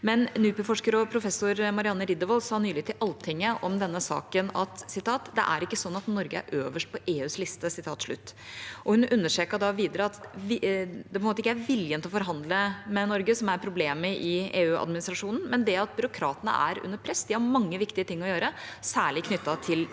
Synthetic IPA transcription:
mɛnnʉːpəfɔʂkəɾɔpʰɾʊfɛsːʊɾmɑɾɪɑnːəɾɪd̪əʋɔlsɑːnyːlɪɡət̪ʰɪlʔɑlːt̪ʰɪŋːəʔɔmd̪ɛnːəsɑ̰ːkənɑt̪sɪt̪ʰɑːt̪d̪ɛ̰ʔæ̰ɾɪkːəsɔnːɑt̪nɔɾɡəæ̰ɾʔøːʋəʂʈ̚pʰɔʔeːʉːslɪst̪əsɪt̪ʰɑːt̪ʂɭʉ̰t̪ːʔɔhʉnʉnːəʂeːkəɖ̪ɑʋiːd̪əɾəɑt̪ | ɛpɔɛmoːt̪ɪkːəæɾʋɪljənt̪ɔfɔɾɦɑnd̪ləmɛnɔɾɡəsɔmæɾpʰɾʊbleːməʔɪeːʉːʔɑ̰d̪mɪnɪst̪ɾɑʂuːnn̩mɛnd̪ɛɑt̪̚bʏɾʊkʰɾɑ̰ːt̪ənə̰ʔæ̰ɾʉ̰nːəɾpʰɾɛsːd̪ɪhɑɾmɑŋːəʋɪkt̪ɪət̪ʰɪŋːɔjøːɾə | sæːɭɪkʰnʏt̪ːɑt̪ʰɪl

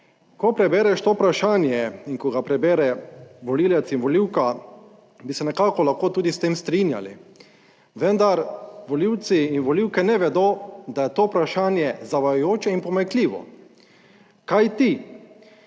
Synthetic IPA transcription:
kɔpɾɛbɛːɾɛʃt̪oːpɾaʃaːnjɛinkɔɡapɾɛbɛːɾɛʋɔliːlɛt̪sinʋɔliwka | bisɛnɛkaːkɔlaxkoːt̪uːd̪ist̪eːmst̪ɾinja̰lḭ | ʋənd̪aɾʋɔliwt̪siːnʋɔliwkɛnɛʋɛd̪oːd̪ajɛt̪oːupɾaʃaːnjɛzaʋajojoːt͡ʃɛinpɔmɛkliːʋɔ̰ | kajt̪i

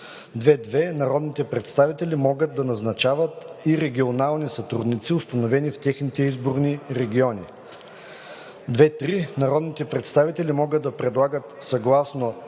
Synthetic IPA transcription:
d̪vɛd̪vɛnɐɾɔd̪nit̪ɛpɾɛt̪st̪avit̪ɛlʲimɔɡət̪̚d̪ɐnɐznɐt͡ʃavət̪iɾɛɡʲionalˠnisɐt̪ɾṵd̪nit̪siʊst̪ɐnovɛnift̪ʲɛxnit̪ɛizboɾniɾɛɡʲiɔni | d̪vɛt̪ɾinɐɾɔd̪nit̪ɛpɾɛt̪st̪avit̪ɛlimɔɡəd̪ɐpɾɛd̪lˠaɡət̪sɐɡlˠasno

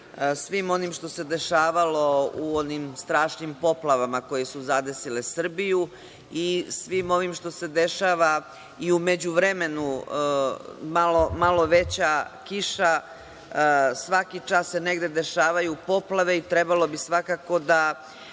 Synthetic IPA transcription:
sʋimo̞nimʃt̪o̞se̞d̪e̞ʃaːʋalo̞uonimst̪ɾaːʃnimpo̞plˠaʋamako̞je̞suzad̪e̞sile̞sr̩biju | isʋimo̞ʋimʃt̪o̞se̞d̪e̞ʃaːʋa | iume̞d͡ʑuʋɾeme̞nu | malo̞malo̞ʋet͡ɕakiʃa | sʋakit͡ʃasse̞neɡd̪e̞d̪e̞ʃaːʋajupo̞plaʋe̞it̪ɾebalo̞bisʋakako̞d̪a

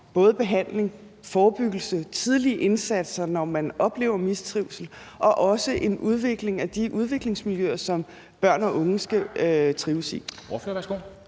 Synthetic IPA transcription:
b̥ɔ̽ːð̞ˠb̥e̝ɦæn̰le̝ŋ | fɒːb̥yɡ̥l̩sət͡sʰið̞ˠliʔe̝nsæd̥sɐnɒmænɒ̽b̥le̝̰ːʊɐmist͡sʰʁiʊ̰sl̩ʔɒ̽ʔɒ̽səʔe̝nuð̞ˠʋe̝ɡ̥le̝ŋæd̥iʔuð̞ˠʋe̝ɡ̥le̝ŋsmiljøɐsɒ̽m | b̥ɶɐ̰nɒ̽ʔɔ̽ŋəsɡ̥æt͡sʰʁiːʊsḭɒfʋæɐsɡ̥o̰

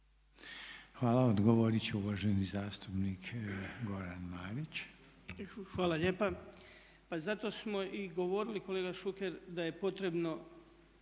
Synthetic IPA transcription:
xʋaːlˠaod̪ɡoʋoɾit͡ɕeuʋaːʒenizaːst̪upnikɡo̞ɾanmaːɾit͡ɕ | xʋaːlˠaʎeːpa | pazat̪o̞ːsmo̞ʔiɡo̞ʋo̞ɾiliko̞leːɡaʃuke̞ɾd̪aje̞po̞t̪ɾe̞bno̞

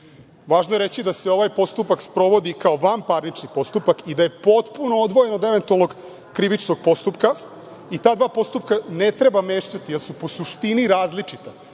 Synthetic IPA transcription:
ʋaːʒnoje̞ɾet͡ɕid̪aseo̞ʋajpo̞st̪upakspɾo̞ʋo̞d̪ikao̞ʋampaɾnit͡ʃnipo̞st̪upakid̪aje̞po̞t̪punood̪ʋoje̞no̞d̪e̞ʋe̞nt̪ualˠno̞ɡ | kɾiʋit͡ʃno̞ɡ̥̚po̞st̪upka | it̪aːd̪ʋaːpo̞st̪upkane̞t̪ɾe̞bame̞ːʃt̪at̪ijelsupo̞suʃt̪iniɾaːzlit͡ʂit̪a

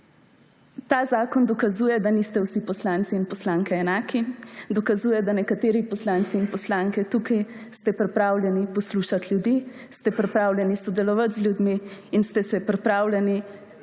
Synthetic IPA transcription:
t̪azaːkɔnd̪ɔkazujɛd̪anist̪ɛwsipɔslant̪siːnpɔslaːŋkɛɛnaːkid̪ɔkazuːjɛd̪anɛkat̪eːɾipɔslaːnsiːnpɔslaːŋkɛt̪ukʰaj | st̪ɛpɾɛpɾawlʲjɛnipɔsluʃat̪ljud̪i | st̪ɛpɾɛpɾaːwlʲjɛnisɔd̪ɛlɔʋat̪zljud̪miːnst̪ɛsɛpɾɛpɾaːwlʲɛni

